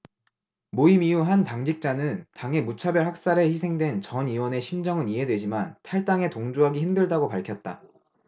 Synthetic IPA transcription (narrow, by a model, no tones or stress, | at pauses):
moimiuɦantaŋd͡ʑik̚t͡ɕ͈anɯntaŋe̞mut͡ɕʰabjʌɭhak̚s͈aɾeçisʰe̞ŋdwe̞nt͡ɕʌniwʌne̞ɕʰimd͡ʑʌŋɯniɦe̞dwe̞d͡ʑimantʰaɭt͈aŋe̞toŋd͡ʑoɦaɡiçimdɯɭdaɡopaɭkʰjʌt̚t͈a̰